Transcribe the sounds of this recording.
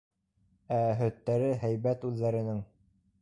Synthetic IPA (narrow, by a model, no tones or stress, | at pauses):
æɦɵ̆t̪ːæɾɘɦæjβæt̪ʉðːæɾɘ̆nɘŋ